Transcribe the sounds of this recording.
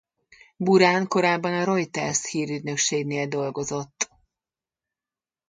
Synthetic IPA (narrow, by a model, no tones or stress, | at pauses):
buɾaːnko̞ɾaːbːɒnɒɾo̞jt̪ɛrshiːɾyd̪nø̞kʃeːɡneːld̪o̞lɡo̞zo̞t̪ː